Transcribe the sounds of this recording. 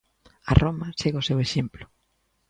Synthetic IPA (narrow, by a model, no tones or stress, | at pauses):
ɐ̰romɐseɣʊseweʃemplʊ̥